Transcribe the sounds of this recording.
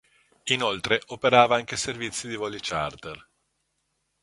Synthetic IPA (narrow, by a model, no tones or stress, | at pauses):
inolt̪ɾeʔopeɾaːvaaŋk̟eservit̪sːid̪ivɔlit͡ʃa̰rt̪er